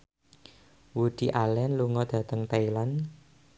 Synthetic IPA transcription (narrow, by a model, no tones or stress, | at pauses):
wud̪̥i̤ʔalɛnluŋɔd̪̥ä̤t̪əŋt̪ailan